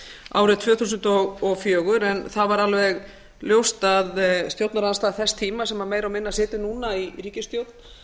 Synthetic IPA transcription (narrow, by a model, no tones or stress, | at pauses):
a̰ːwɾɪðt̪ʰvœːθusʏnt̪ɔɣɔfjœːɣʏɾɛnθavaɾalvɛɣ | ljowst̪aðst̪jowt̪naɾanst̪aːðθɛst̪ʰiːmasɛmaɾmeːjɾawmɪnːasɪːt̪ʏnuːnaiɾiːcɪst̪jowt̪n